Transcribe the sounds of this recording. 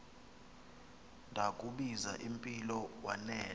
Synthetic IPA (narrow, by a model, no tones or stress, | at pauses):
ndʱakʼuɓiza̰ʔimpʼilɔwanɛː